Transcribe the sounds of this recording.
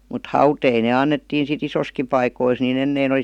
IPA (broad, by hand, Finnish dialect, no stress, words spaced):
mut hɑutei ne ɑnːetːiːn sit isoski pɑikois nin enːein ol̆i